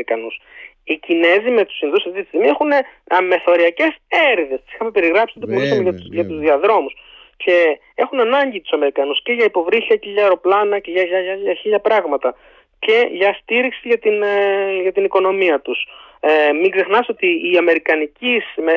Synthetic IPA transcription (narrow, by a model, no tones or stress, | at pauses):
ɾikɐnus | icine̞zime̞t̪u̥sinðusinist̪imie̞xuneme̞θo̞ɾiɐce̞se̞ɾðe̞st̪i̥si̥xɐmepe̞ɾiɣɾɐpsit̪t̪omolisɐmeʝɐʝɐt̪uzðiɐðɾo̞mus | ce̞ | exunɐnɐɲɟit̪u̥sɐme̞ɾikɐnusce̞ʝɐipo̞vɾiθɐceʝɐeɾo̞plɐnɐceʝɐʝɐʝɐʎɐçiʎɐpɾɐɣmɐt̪ɐ | ce̞ʝɐst̪iɾiksiʝɐt̪inʝɐt̪iniko̞no̞miɐt̪us | miɡze̞xnɐso̞t̪iːɐme̞ɾikɐnicisme